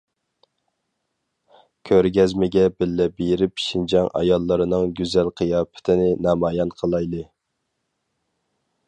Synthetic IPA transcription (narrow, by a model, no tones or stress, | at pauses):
kʲʰøɾɡʲɛzmɪɡʲɛbɪlːɛbeɾɪpʃind͡ʒɑŋɑ̰jɑlˠːəɾɨnɨŋɡʲyzɛlqʰəjɑːpʰɪ̥t̪ʰɪnɪnɑmɑːjɑnqʰəlˠɑjlˠɨ